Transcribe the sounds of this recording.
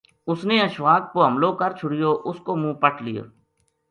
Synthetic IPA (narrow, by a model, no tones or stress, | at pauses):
ʊsneːəʃʋaːk̚poːɦəmloːkəɾt͡ʃʰʊɽɪjoːʔʊskoːmũːpəʈʰlɪjo̰ː